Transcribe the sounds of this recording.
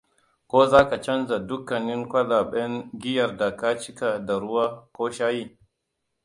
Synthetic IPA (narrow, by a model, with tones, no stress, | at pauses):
kʷoː˦zaː˦ka˨t͡ʃɐ˦nza˨dʊ˦kːɐ˨nɪ˦ŋkʷɐ˦la˨ɓɛ˦ŋɡʲɪ˦jɐ˨rda˨kaː˦t͡ʃɪ˦ka˨da˨ɾʊ˦waː˦kʷoː˦ʃaː˦ji˦